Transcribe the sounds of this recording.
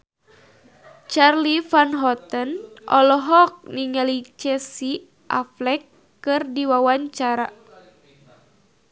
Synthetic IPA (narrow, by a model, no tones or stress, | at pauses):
t͡ʃarlifanɦɔt̪ənʔɔ̰lɔɦɔk̚niŋalit͡ʃɛsi | ʔaflɛkː | ɨrdiwawaɲt͡ʃaɾa